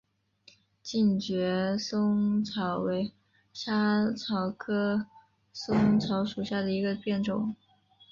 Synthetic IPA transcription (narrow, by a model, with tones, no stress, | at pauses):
t͡ɕi˥˩nt͡ɕɥɛ˧˥sʊ˥ŋt͡sʰɑ˧˥ʊwe˧˥ɪ | ɕja˥t͡sʰɑ˧˥ʊkʰɤ˥ | sʊ˥ŋt͡sʰɑ˧˥ʊʂu˨˩ɕja˥˩d̪ə˩i˧˥ɡə˧pjɛ˥˩nʈ͡ʂʊ̰˨˩˦ŋ